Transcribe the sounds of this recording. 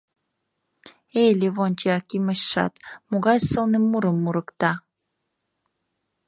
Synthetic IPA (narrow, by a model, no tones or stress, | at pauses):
ejlʲeβonʲt͡ɕeɑkiməɕʃɑ̰t̪moɣɑjsɤlnemuɾəmːuɾəkt̪ɑ